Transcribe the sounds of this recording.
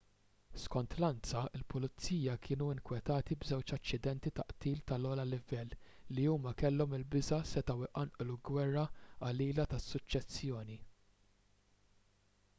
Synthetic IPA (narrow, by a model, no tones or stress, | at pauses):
skɔnt̪lɐnt͡sɐɪlpʊlɪt͡sːiːjɐkʰɪːnuɪŋkwɛt̪ɐːt̪ibzɛwt͡ʃɐt͡ʃːɪd̪ɛnt̪it̪ɐʔt̪iːlt̪ɐlɔːlɐlɪvɛlː | iuːmɐkɛlːɔmɪlbɪzɐsɛt̪ɐwɪʔɐnʔluɡwɛrːɐɐliːlɐt̪ɐsːʊt͡ʃːɛsːjɔːni